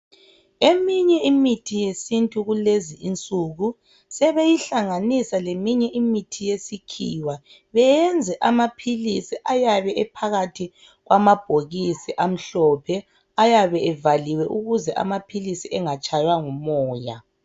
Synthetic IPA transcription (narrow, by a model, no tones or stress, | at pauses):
emiɲɛimitʰijesintʼuɣuleziʔint͡sʼuɣu | sɛβejiɬaŋanisalemiɲɛʔimitʰijesikʰḭːwa | βɛjɛnd͡zʱɛʔamapʰilisiʔajaβɛʔɛpʰaɣatʰi | ɣwʔamab̥ʱoɣisiʔam̩ɬɔpʰɛ | ajaβɛɛvaliwɛʔuɣuzɛʔa̰mapʰilisiʔɛŋat͡ʃʼajwaŋumɔːja̰